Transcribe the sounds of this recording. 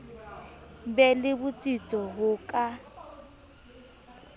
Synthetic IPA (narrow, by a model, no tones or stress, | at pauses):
bɛlɪbʊt͡sʼit͡sʼɔɦʊkʼa